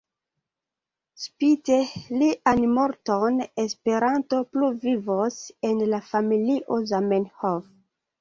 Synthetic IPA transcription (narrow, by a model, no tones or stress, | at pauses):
spiteliʔanmo̞ɾtonespe̞ɾanto̞pluvivosenlafamiliʔozamenhof